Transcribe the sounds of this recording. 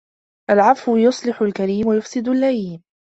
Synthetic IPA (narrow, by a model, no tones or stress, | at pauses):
ʔalʕɑfwʊjʊsˤlɪħʊlkaɾiːmwajʊfsɪd̪ʊlːajiːm